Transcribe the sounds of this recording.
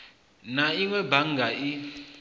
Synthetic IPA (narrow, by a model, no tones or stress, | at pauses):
naiŋwɛbaŋɡʱaʔi